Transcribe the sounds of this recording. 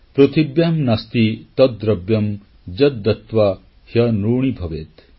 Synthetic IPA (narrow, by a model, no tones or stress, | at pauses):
pɾot̪ibjɐmnɐst̪it̪ɐd̪ɾɐbjɐm | d͡ʒɐd̪ːɐt̪ʋa | hjɐnuːɳ̃ibʱɐʋeːt̪